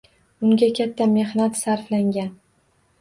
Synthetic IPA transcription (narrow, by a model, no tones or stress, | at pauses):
ʊŋɡʲakʲʰat̪ʰːame̞hnat̪saɾflaŋɡʲan